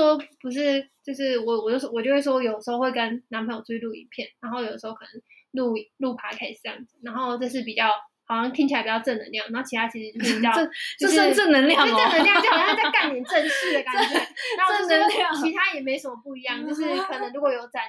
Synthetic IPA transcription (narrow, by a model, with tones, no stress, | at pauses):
ɔ˥pu˧˥ʂ̬ɻ̩˥˧t͡ɕjo˥˧ʊʂɻ̩˥˩wɔ˨˩wɔ˨˩t͡ɕo˥˩˥wɔ˨˩t͡ɕjo˥˧ʊwe˥˩ʂwɔ˥jo˨˩d̪ə˩ʂ̩˧˥xo˥˧xwe˥˩ɪkə˦nna˧˥npʰə˧˥njt͡sʰwe˥ɪlu˥˩ḭ˧˥˩pʰjɛ˥˩na˧˥nxo˥˩ʊjo˨˩d̪ə˩ʂ̩˧o˥ʊkʰɤ˨˩nə˧˦ŋ | lu˥˩lu˥˩pʰa˧˥ɪkʰa˥ɪʂɻ̩˨˩ʈ͡ʂjɑ̰˥˩ŋd͡zɹ̩˨˩na˧˥nxo˥˧ʊʈ͡ʂɤ˥˧ʂ̬ɻ̩˥˩p̬i˨˩t͡ɕɑ˥˩ʊ | hɑ˨˩ʊɕɑ˥˧ŋt̪ʰi˥ŋt͡ɕi˨˩a˧ɪpi˨˩jɑ˥˧ʊʈ͡ʂɤ˥˩nə̰˧˦ŋljɑ˥˩ŋna˧˥o˥˩t͡ɕʰi˧t̪ʰa˥t͡ɕʰi˧˥ʂɻ̩˧t͡ɕjo˥ʊʂ̩˥˩ppi˨˩t͡ɕjɑ˥˧˥t͡ɕʂə˥˩nə˧˥ŋljʈ͡ʂə˥˩nə˧ŋljŋ˧˥˩t͡sa˥˧ɪka˥˩njɛ˨˩˦nʈ͡ʂə˥˧nɕi˥˧˩d̪ə˨˩ka˥n˨˩a˨˦˥o˥ə˥nə˧˥˩t͡ɕʰi˧˥t̪ʰa˥jɛ˨˩me˧˥ɪsə˨˩mə˨˩pu˥˩i˧˥jɑ˥˩ŋt͡ɕo˥˧ʊʂ̬ɻ̩˥˩kʰɤ˨˩nə˧˥ŋɻu˧˥kɔ˨˩jo˧˥ʊt͡sa˨˩